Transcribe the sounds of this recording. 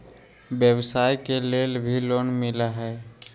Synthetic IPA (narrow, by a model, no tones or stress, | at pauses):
bjəbsajkelelbʱilonmilaɦɛ